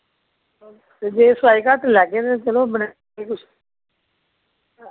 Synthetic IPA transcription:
t̪eːd͡ʒeːsaːiːkaʈlɛːkeːt̪et͡ʃəlõːbəna | iːkʊs

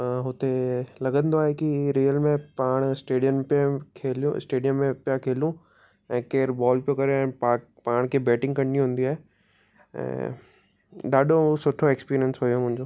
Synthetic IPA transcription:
ɦʊt̪elɐɡə̃nd̪oaːɦekiɾiːəlmẽpaːɽ̃ɪsʈeːɖijəmpkʰeːljũsʈeːɖijəmːẽpijakʰeːljũ | ɛ̃ːkeːɾbɔːlpijokɐɾeɛ̃ːa | paːɽ̃kʰeːbɛːʈɪ̃ŋɡkɐ̃ɽ̃iũɦũːn̆d̪iaːɦe | ɛ̰̃ː | ɗ̪aːɗosʊʈʰoeːkspiːɾijənsɦojomʊ̃ɦɪ̃ɲ̆d͡ʑoː

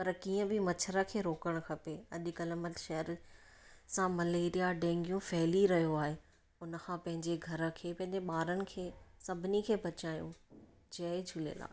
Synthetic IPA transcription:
pɐɾkiːə̃bʱɪmɐt͡ɕʰəɾakʰeːɾoːkəɽ̃̆kʰɐpeɐʄʊ̆kɐləmət̪ʃɛɦəɾ | sãmɐleːɾijaɖẽːŋɡjũfɛɦliɾɐɦijoaːɦe | ʊnəkʰãːpɐ̃ɦɪ̃ɲd͡ʑeɡʱɐɾə̆kʰeːpɐ̃ɦɪ̃ɲd͡ʑeɓaːɾənɪ̆kʰeːsɐbʱɪnikʰeːbɐt͡ɕaːjṵ̃ | d͡ʑɐed͡ʑʱʊlḛla̰ː

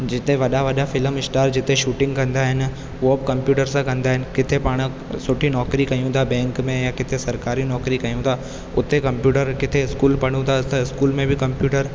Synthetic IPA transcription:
d͡ʑɪt̪eʋɐɗaʋɐɗafɪləmɪsʈaːɾd͡ʑɪt̪eʃuːʈɪ̃ŋɡkɐ̃nd̪aɦɪnɪ̆ | ʊobkɐ̃mpjuːʈəɾsãkɐ̃nd̪aːɦɪnɪ̆kɪt̪ʰepaːɽ̃ | sʊʈʰinɔːkɾikɐijũt̪ʰabɛ̃ːŋkmẽjakɪt̪ʰesɐɾkaːɾinɔːkɾikɐijũt̪ʰaː | ʊt̪ekɐ̃mpjuːʈəɾkɪt̪ʰeɪskuːlpɐɽ̤̃ũt̪ʰaʊt̪ɪskuːlmẽbɪkɐ̃mpjuːʈəɾ

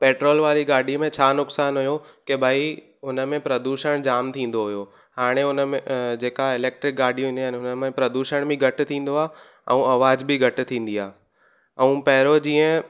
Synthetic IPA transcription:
peːʈɾoːlʋaːɾiɡaːɖʱimẽt͡ɕʰaːnʊksaːnɦʊjokebʱaːi | ʊnə̆mẽpɾɐd̪uːʃəɽ̃d͡ʑaːmt̪ʰĩːn̆d̪oɦʊjo | haːɽ̃eʊnəmẽd͡ʑeːkaɪleːk̚ʈɾɪk̚ɡaːɖʱijũĩːnd̪anʊnəmẽpɾɐd̪uːʃəɽ̃bĩɡʱɐʈɪ̆t̪ʰĩːn̆d̪oaː | ɛ̰̃ũɐʋaːd͡ʑbɪɡʱɐʈ̆t̪ʰĩːn̆d̪iaː | ɛ̃ũpɐɦɪɾod͡ʑĩːə̃

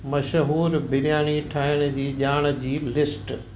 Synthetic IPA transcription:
mɐʃɦuːɾbɪlɪjaːɽ̃iʈʰaːɦəɽ̃ʊ̆d͡ʑiːʄaːɽ̃̆d͡ʑiːlɪsʈ

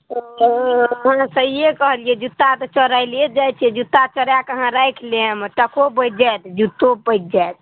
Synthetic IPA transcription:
ɦənsəɦiekəɦəlied͡ʒut̪ːat̪ɔt͡ʃəɾajlied͡ʒajt͡ʃʰɛd͡ʒut̪ːat͡ʃəɾjakəɦãɾajkʰleəmʈəkʰobət̚d͡ʒajt̪d͡ʒut̪ːopəjt̪̚d͡ʒajt̪

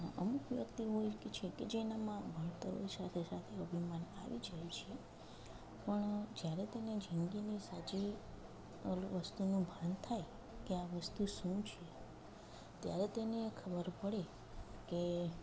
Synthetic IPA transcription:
əmukʋjəkt̪iɦojkt͡ʃʰeked͡ʒenamãbʱəɳt̪əɾo̰isat̪ʰesat̪ʰeəbʱimana̰ʋid͡ʒəjt͡ʃʰe | pəɳd͡ʒjaɾet̪ened͡ʒʱəŋɡinisat͡ʃi | ʋəst̪unũbʱant̪ʰaj | keaʋəst̪uʃũt͡ʃʰe | t̪jaɾet̪enekʰəbəɾpəɽe | ke

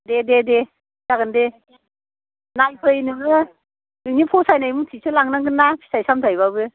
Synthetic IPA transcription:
dedede | zaɡɯnde | najpʰɯjnɯŋɯ | nɯŋnipʰɔsajnajmɯŋtʰisʰɯlaŋnaŋɡɯnːapʰi̥sajsamtʰajβabɯ

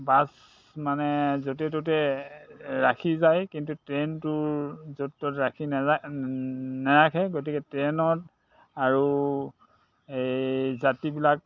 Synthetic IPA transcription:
bas | manɛzot̬ɛtotɛ | ɹakʰizajkintutɹɛntʊɹzotːotɹakʰina | nɛɹakʰɛɡot̬ikɛtɹɛnɔt | aɹu | ejzatibilak̚

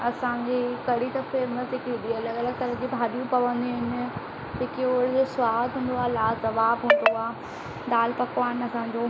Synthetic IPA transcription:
ɐsãɲd͡ʑekɐɽit̪ɐfeɾmɐt̪ɪkːɗiɐləɡɐləɡ̚t̪ɐɾəd͡ʑibʱaːɗijũpɐʋə̃nd̪iɦɪnɪ̆ | d͡ʑɪkeoːɾd͡ʑosʊaːd̪ɦʊ̃ːnd̪oaːlaːzɐʋaːbɦũːnd̪oaː | ɗ̪aːlpɐkʋaːñɐsãɲd͡ʑoː

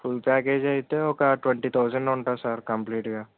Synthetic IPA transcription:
fʰʊlpɛːkeːd͡ʒait̪eoːkaʈwɛ̃ɳʈit̪ʰaːʊzə̃ɳɖɔ̃ɳʈasaɾkɐmpliːʈɡaː

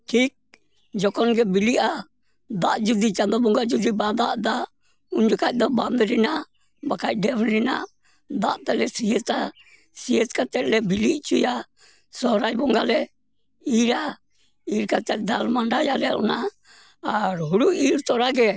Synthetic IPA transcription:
ʈʰik̚ | d͡ʒɔkɔnɡɛbiliʔa | d̪aʔd͡ʒud̪it͡ʃand̪ɔbɔŋɡad͡ʒud̪ibad̪aʔd̪aʔ | uɲd͡ʒɔkac̚d̪ɔband̪ɾinaʔ | bakac̚ˀɖɛbɾina̰ʔ | d̪a̰ʔt̪ɛlɛsiɛsa | siɛskat͡ʃɛt̪̚lɛbiliʔt͡ʃuja | sɔɾajbɔŋɡalɛ | iɾa | iɾkat͡ʃɛt̪̚d̪almaɳɖajalɛ̰ʔɔ̰naː | ɾɦuɽuiɾtɔɾaɡɛ

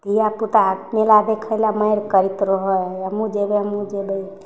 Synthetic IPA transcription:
d̪ijaput̪amelab̪ekʰəɪlaməjɾkəɾit̪ɾəɦəəmud͡ʒebeəmud͡ʒebə

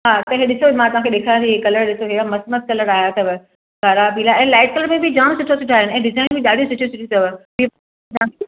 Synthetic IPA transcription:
ɦaːt̪ɐɦeɗɪsoimãt̪ɐʋ̤ãkʰeɗeːkʰãːiekɐləɾɗɪsoɦɪamɐsmət̪̚kɐləɾaːɦjat̪ɐbɪ | ɡaɾabʱiːlaɛ̃ːlaːɪʈ̚kɐləɾmẽbʱɪd͡ʑaːɽ̃sʊʈʰosʊʈʰaːɦɪñɛ̃ːɖɪzaːɪnbʱɪɗaːɖ̤ʱijosʊʈʰijosʊʈʰit̪ɐʋbi | t̪ãk

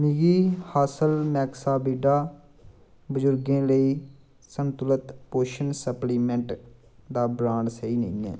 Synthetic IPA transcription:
mɪɡiːhaːsəlmɛːksaːbiːɖaː | bəzʊɾɡẽːləiː | sənt̪ʊlət̪poːʃənsəpliːmɛ̃ːɳʈ | d̪aːbɾãːɳɖsəiːnə̰ĩːɛ̰̃ː

